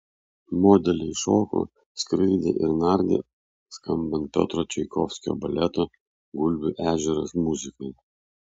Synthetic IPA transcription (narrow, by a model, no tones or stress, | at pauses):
mɔd̪ʲɛlʲɪʃoːko̰ | skɾɨːd̪ʲḛʔɪɾnɑɾʲd̪ʲḛ | skɐmbɐnt̪̚pʲɔ̰t̪ɾɔt͡ʃʲɛɪkɔfʲsʲkʲo̰ːbɐlʲɛt̪oː | ɡʊlʲbʲʊʔæːʒʲɛɾɐ̰smʊzʲɪkɔj